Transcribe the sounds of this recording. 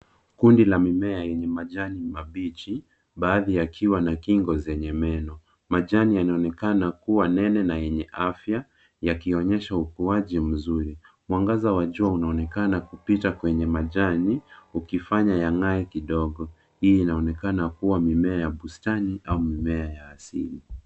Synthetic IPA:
kundilamimɛajɛɲɛmaʄanimaɓit͡ʃi | ɓaːðijakʰiwanakiŋɡɔzɛɲɛmɛnɔ | maʄanijanaɔnɛkanakuwanɛnɛnajɛɲɛʔafja | jakiɔɲɛʃaukuaʄim̩zuɾi | mwaŋɡazawaʄuaunaɔnɛkanakupitakwɛɲɛmaʄaniukifaɲajaŋaɛkiɗɔɠɔ | hiːnaɔnɛkanakuwamimɛajaɓustaniʔaumimɛajaːsḭli

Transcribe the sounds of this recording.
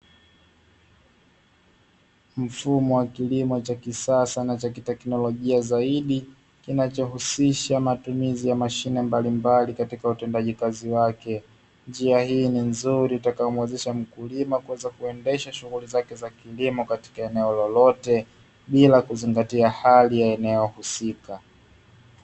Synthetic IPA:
m̩fumɔwakilimɔt͡ʃakisasanat͡ʃakitɛknɔlɔʄiazaiɗi | kinat͡ʃɔɦusiʃamatumizijamaʃinɛmbalimbalikatikautɛndaʄikaziwakɛ | nd͡ʒiahiːninzuɾiutakajɔmwɛzɛʃam̩kulimakuwɛzakuɛndɛʃaʃuɣulizakɛzakilimɔkati̥kaɛnɛɔlɔlɔtɛ | ɓilakuziŋɡatiahalijaɛnɛɔhusika

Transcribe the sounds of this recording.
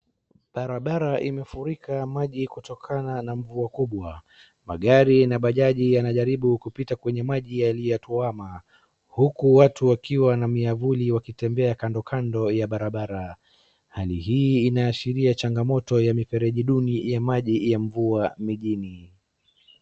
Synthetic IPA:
ɓaɾaɓaɾaʔimɛfuɾikʰamaʄikutɔkʰananaɱvuakuɓwa | ma̰ɠaɾinaɓaʄaʄijanaʄaɾiɓukupitakwɛɲɛmaʄijalijɔtɔama | hukuwatuwakiwanamiavuliwakitɛmbɛakandɔkʰandɔjaɓaɾaɓaɾa | halihiːnaːʃiɾiat͡ʃaŋɡamɔtɔjamipɛɾɛʄiɗunijamaʄijaɱvuamiʄini

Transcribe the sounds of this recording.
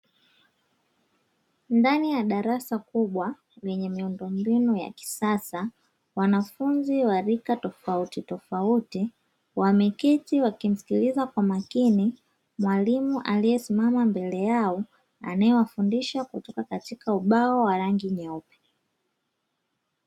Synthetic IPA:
ndanijaɗaɾasakuɓwa | lɛɲɛmiundɔmbinuja̰ki̥sasa | wanafunziwaɾikatɔfautitɔfauti | wamɛkitiwakim̩si̥kilizakwamakini | mwalimuʔalijɛsimamambɛlɛjaɔ | a̰najɔwafundiʃakutɔkakatikauɓaɔwaɾaŋɡiɲɔpɛ̥

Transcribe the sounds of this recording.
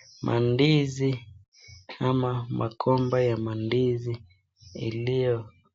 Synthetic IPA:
mʔa̰ndizi | amamʔakʰɔmbajamandizi | ḭlijɔ

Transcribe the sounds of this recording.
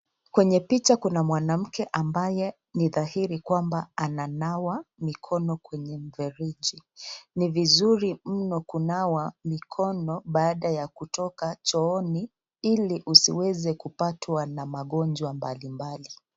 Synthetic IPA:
kwɛɲɛpit͡ʃakunamwanam̩kɛʔambajɛ | niðahiɾikwambaananawamikʰɔnɔkwɛɲɛm̩vɛɾiʄinivizuɾim̩nɔkunawamikʰɔnɔɓaːɗajakutɔkat͡ʃɔɔni | iliʔusiwɛzɛkupatwanamaɠɔnd͡ʒwambalimbali

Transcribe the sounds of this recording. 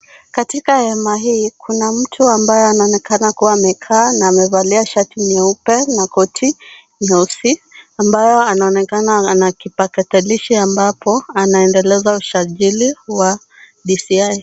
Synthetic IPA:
katikahɛmaɦiːkʰunam̩tʰuambajɔanaɔnɛkanakuwaːmɛkʰaːnaːmɛvaliaʃatiɲɛupɛnakɔtʰi | ɲɛusiambajɔanaɔnɛkananakipakataliʃiambapʰɔanaɛndɛlɛzauʃaʄiliwa | ɗisiaj

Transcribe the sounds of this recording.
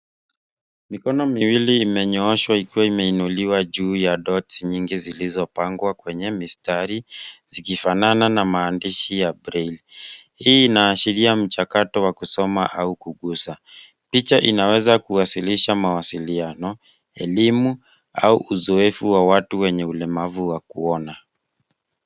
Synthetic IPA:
mikɔnɔmiwiliːmɛɲɔɔʃwaikiwaimɛinuliwaʄuːjaɗɔtsɲiŋɡizilizɔpaŋɡwakwɛɲɛmistaɾizikifanananamaːndiʃijabɾɛlhiːnaːʃiɾiam̩t͡ʃakatɔwakusɔmaʔaukuɠusa | pit͡ʃaʔinawɛzakuwasiliʃamawasilianɔ | ɛlimu | auʔuzɔɛfuwawatuwɛɲɛulɛmavuwakuɔna

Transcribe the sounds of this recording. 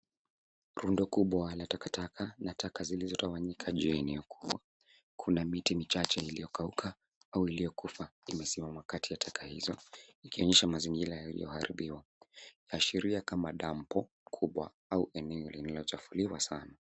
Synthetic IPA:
ɾundɔkuɓwalatakatakʰanatʰakazilizɔtawaɲikʰaʄuɛnɛɔkʰu̥ɓwa | kʰunamitimit͡ʃat͡ʃɛilijɔkaukʰa | auilijɔkufaimɛsimamwakatʰijatʰakʰahḭzɔikiɔɲɛʃamaziŋɡiɾajalḭjɔ̰haɾʔḭɓiwajaːʃiɾiakamaɗam̩pɔ | kʰuɓwa̰ | auʔɛnɛɔlinalɔt͡ʃafuliwasana

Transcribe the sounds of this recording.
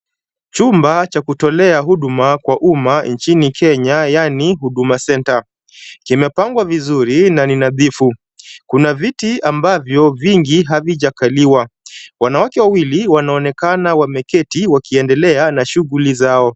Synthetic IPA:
t͡ʃumbat͡ʃakutɔlɛaɦuɗumakwaʔumaɲt͡ʃinikʰɛɲajaniɦuɗumasɛnta | kimɛpaŋɡwavizuɾinaninaðifu | kunavitiambavjɔviŋɡiɦaviʄakaliwawanawakɛwawiliwanaɔnɛkanawamɛkɛtiwakiɛndɛlɛanaʃuɣulizaɔ

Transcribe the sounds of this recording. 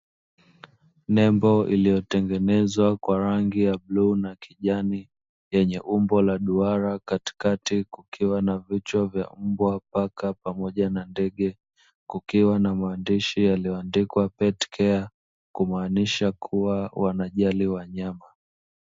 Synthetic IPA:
nɛmbɔʔḭlijɔtɛŋɡɛnɛzwakwaɾaŋɡijablunakiʄani | jɛɲɛʔumbɔlaɗuaɾakati̥katikukʰiwanavit͡ʃwavja̰m̩bwapakapamɔʄanandɛɠɛ | kukiwanamaːndiʃijalijɔandikwapɛtkʰɛa | kumaːniʃakʰuwawanaʄaliwaɲama

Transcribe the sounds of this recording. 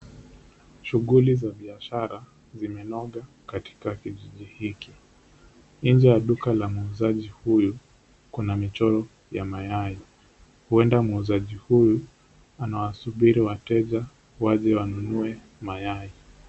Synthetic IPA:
ʃuɣulizaɓiaʃaɾa | zimɛnɔɠa | kati̥kakiʄiʄihiki | n̩nd͡ʒɛjaɗukalamuuzaʄihuju | kunamit͡ʃɔɾɔ | jamajai | huɛndamuzaʄihuju | anawasuɓiɾiwatɛʄa | waʄɛwanunuɛ | majai

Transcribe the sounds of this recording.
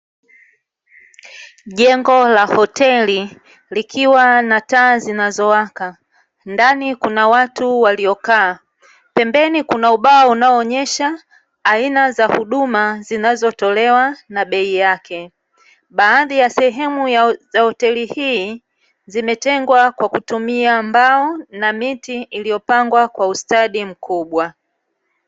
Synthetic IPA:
ʄɛŋɡɔlahɔtɛli | likʰiwanataːzinazɔwaka | ndanikunawatuwaliɔkaː | pɛmbɛnikunauɓawaunaɔːɲɛʃaː | inazahuɗumazinazɔtɔlɛwanaɓɛijakʰɛ | ɓaːðijasɛɦɛmujazahɔtɛlihiː | zimɛtɛŋɡwakwakutumiambaɔnamitiːlijɔpaŋɡwakwaustaɗim̩kʰuɓwa

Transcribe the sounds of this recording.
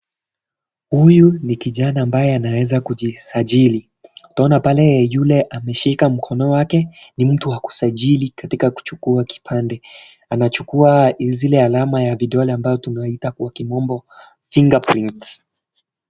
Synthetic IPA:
hujunikiʄanaːmbajɛanawɛzakuʄisaʄili | utaɔnapalɛjulɛʔamɛʃikam̩kʰɔnɔwakɛnim̩tuhaku̥saʄilikatikaku̥t͡ʃukuaki̥pʰandɛ | anat͡ʃukuazilɛalamajaviɗɔlɛambazɔtunaitakuwakimɔmbɔ | fiŋɡapɾints

